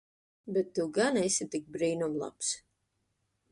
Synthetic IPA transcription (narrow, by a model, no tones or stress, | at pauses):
bɛt̪ːuwɡanɛsʲit̪ik̚bɾiːnumlˠa̰ps